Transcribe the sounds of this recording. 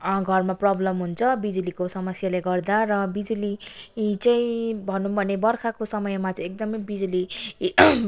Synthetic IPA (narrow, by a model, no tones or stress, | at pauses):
ɡʱʌrmaprʌblʌmɦunt͡sʰʌbid͡zulikosʌmʌsjaleɡʌrd̪arʌbid͡zulit͡sʌĩbʱʌnubʱʌnebʌrkʰakosʌmʌjmat͡saj̃ek̚d̪ʌmʌjbid͡zuli